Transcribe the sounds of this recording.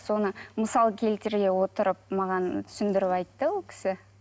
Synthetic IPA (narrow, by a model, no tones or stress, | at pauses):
so̞nəməsɑlˠkʲʰe̞lt̪ɪɾɡʲe̞wo̞t̪əɾəp̚mɑʁɑnt̪ʰʏ̥sɪnd̪ɪɾɪpɑjt̪ːəwolˠkʲʰɪ̥sɪ